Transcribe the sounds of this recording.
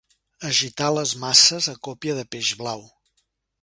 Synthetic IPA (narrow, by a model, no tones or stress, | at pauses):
əʒit̪aləzmasəzəkɔpiəðəpeʒβlaw